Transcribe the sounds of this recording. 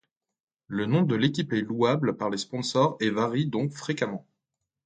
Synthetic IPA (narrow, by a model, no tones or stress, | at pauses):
lənɔ̃d̪əlekʲipɛluablpaʁlespɔ̃sɔʁɛvaʁid̪ɔ̃kfχekamɑ̃